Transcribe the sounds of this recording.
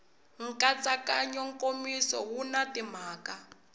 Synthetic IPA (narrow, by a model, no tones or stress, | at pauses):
ŋ̩kʼat͡sʼakʼaɲɔŋ̩kʼomisɔ̰wunatim̤aːka